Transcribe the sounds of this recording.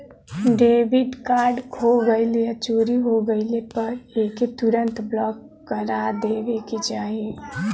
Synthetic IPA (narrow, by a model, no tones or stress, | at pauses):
ɖebiʈkaɾɖkʰoɡəɪlijət͡ʃoɾiɦoɡəɪlepəɾeket̪uɾənt̪blɔkː | əɾad̪ebeket͡ʃaɦi